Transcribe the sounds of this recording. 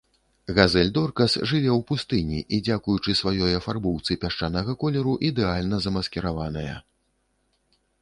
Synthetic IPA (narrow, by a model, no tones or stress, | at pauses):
ɣazɛlʲd̪ɔrkɐsʐɨvʲɛwpust̪ɨnʲḭʔid͡zʲakujut͡ʂɨsvajɔjɐfarbɔwt̪sɨpʲaʂt͡ʂanɐɣɐkɔlʲɛɾuʔid̪ɛalʲnɐzɐmɐskʲɛɾavanɐjɐ̰